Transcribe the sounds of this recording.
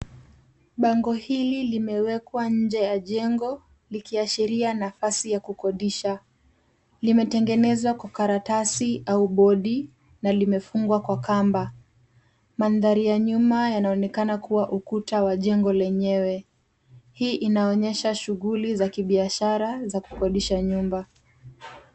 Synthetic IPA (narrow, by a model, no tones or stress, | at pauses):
ɓaŋɡɔhililimɛwɛkwaɲ̩d͡ʒɛjaʄɛŋɡɔ | likiaʃiɾianafasijakukɔɗiʃa | limɛtɛŋɡɛnɛzwakwakaɾatasiauɓɔɗi | nalimɛfuŋɡwakwakamba | manðaɾijaɲumajanaɔnɛkanakuwaʔukutawaʄɛŋɡɔlɛɲɛwɛ | hiːʔinaɔɲɛʃaʃuɣulizakiɓiaʃaɾazaku̥kɔɗiʃaɲumba